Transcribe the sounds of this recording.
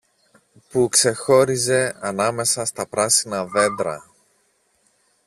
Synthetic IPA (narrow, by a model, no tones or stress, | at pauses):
pukse̞xo̞ɾize̞ɐnɐme̞sɐst̪ɐpɾɐsinɐðe̞nd̪ɾɐ̰